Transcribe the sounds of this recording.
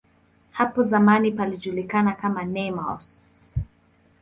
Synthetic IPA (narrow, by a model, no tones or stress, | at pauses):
hapɔzamanipaliʄulikanakamanɛma̰ɔ̰s